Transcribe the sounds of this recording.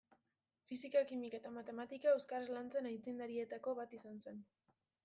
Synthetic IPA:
fisikakimiket̪amat̪e̞mat̪ikae̞wskaɾezlant͡se̞najt͡sind̪aɾie̞t̪ako̞βat̪isanse̞n

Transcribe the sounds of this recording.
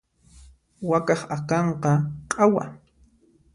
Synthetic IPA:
wakɑχakɑɴqɑqʼawa̰

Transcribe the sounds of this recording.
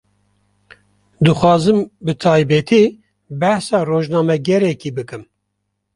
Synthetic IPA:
d̪ɨxʷɑːzɨmbɨt̪ʰɑːjbɛt̪ʰi | bɛhsɑːroːʒnɑːmɛɡɛɾɛkiːbɨkɨm

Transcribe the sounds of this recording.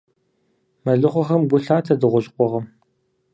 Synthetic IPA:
mɐɮɨχʷɔxɐmɡʷʊɬaːtʰɐdɨʁʷʊɕʼqʷʼɔʁɐm

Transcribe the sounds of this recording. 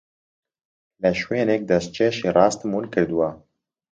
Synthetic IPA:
lɛʃweːnɛk̚d̪ɛst͡ʃɛʃirɑːst̪munkɨɾd̪uwaː

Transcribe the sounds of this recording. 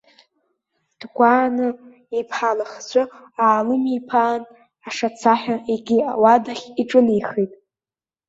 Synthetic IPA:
d̥ɡʷaːnɨ | ipʰħalaχt͡sʷʰʼʊ | aːlɨmipʰaːn | aʂat͡sʰaħʷᶣaeɡʲia̰wadaχʲiʈ͡ʂʼɨnijχijtʼ

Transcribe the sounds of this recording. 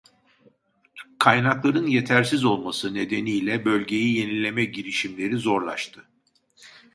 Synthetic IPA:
kʰajnaklˠaɾɯnje̞t̪ʰæɾsizo̞lˠmasɯne̞d̪e̞nijlʲɛbø̞lʲɟe̞jije̞nilʲe̞mɛɟiɾiʃimlʲe̞ɾizo̞ɾlˠa̰ʃt̪ʰɯ

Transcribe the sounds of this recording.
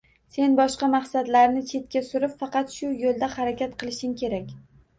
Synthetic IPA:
se̞nbɒʃqɑmaχsad̪laɾnɪt͡ʃʰe̞t̪̚kʲasʊɾɪpfɑqɑt̪ʃʊjolˠd̪ahaɾakʲʰat̪qʰɨlˠɪʃɪŋkʲʰe̞ɾakʲ

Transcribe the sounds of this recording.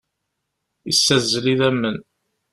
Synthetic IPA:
isːæzːəliðæmːən

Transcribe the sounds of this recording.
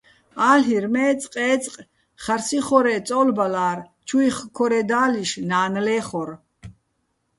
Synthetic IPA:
aːlɦiɾmɛːt͡sʼqʼɛːt͡sʼqʼ | χarsiχɔɾɛːt͡sʼɔːlbalaːr | t͡ʃʰujχkʰɔɾɛd̪aːliʃnaːnlɛːχɔɾ

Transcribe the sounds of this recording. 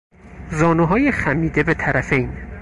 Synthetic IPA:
zɒːnuɦɒːjexæmiːd̪e̞be̞t̪ʰæɾæfe̞jn

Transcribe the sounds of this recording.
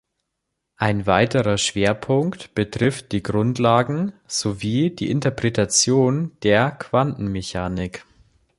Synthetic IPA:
ʔaɪnvaɪtəʁɐʃv̥eːɐpʰʊŋktb̥ətʁ̥ɪft̚d̥iːɡʁʊntlaːɡŋ̩z̥oviːd̥ḭːʔɪntɐpʁ̥ɛtat͡sjoːnd̥eːɐkv̥antn̩meçaːnɪk

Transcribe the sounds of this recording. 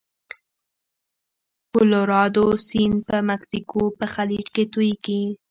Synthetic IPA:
koloɾɑd̪osinpəmaksikopəxalid͡ʒket̪ujɡi

